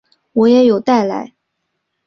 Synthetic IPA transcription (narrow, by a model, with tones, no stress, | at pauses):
wɔ˨˧˥jɛ˧˥jo˨˩ʊt̪a˥˩ɪla̰˧˥ɪ